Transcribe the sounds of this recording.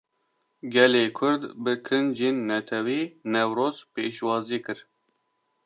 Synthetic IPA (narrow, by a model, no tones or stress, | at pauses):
ɡɛleːkʰʊɾd̪bɨkʰɨnd͡ʒeːnːɛt̪ʰɛwiːnɛwɾoːzpeːʃwɑːziːkɨɾ